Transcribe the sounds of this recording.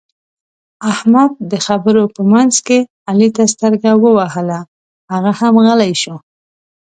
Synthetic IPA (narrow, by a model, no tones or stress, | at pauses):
ahmad̪̚d̪əxabəɾopəmanz̥ke | alit̪as̬t̪əɾɡawəwahəla | haɣahamɣəlajʃo